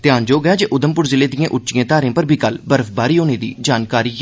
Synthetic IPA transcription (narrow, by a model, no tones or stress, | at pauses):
t̪ɪjaːnd͡ʒoːɡəjaːd͡ʒeːʔʊd̪əmpʊɾzɪleːd̪ijãːʔʊt͡ʃijãːt̪aːɾẽːpəɾbʱiːkəlbəɾəfbaːɾiːɦoːneːd̪ḭːd͡ʒaːnkaːɾiː